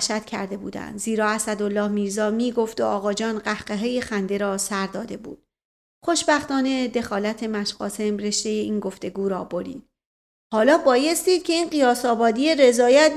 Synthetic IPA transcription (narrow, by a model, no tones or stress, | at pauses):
ʃæt̪cʰæ̰ɾd̪e̞bṵːd̪æ̰nd̪ziːɾɒːæsæd̪o̞lːɒːhmiːɾzɒːmiːɡo̞ft̪oʔɒːɣɒːd͡ʒɒːnɢæhɢeɦeːjexænd̪e̞ɾɒːsæɾd̪ɒːd̪e̞bṵːd̪̥̚ | χo̞ʃbæxt̪ɒːne̞d̪e̞xɒːlæt̪ʰe̞mæʃɢɒ̰ːse̞mre̞ʃt̪e̞jeiːnɡo̞ft̪e̞ɡuːɾɒːboɾḭːd̪̥ | hɒːlɒːbɒːje̞st̪iːd̥̪̚cʰe̞iːnɢijɒːsɒːbɒːd̪iːje̞ɾe̞zɒːjæt̪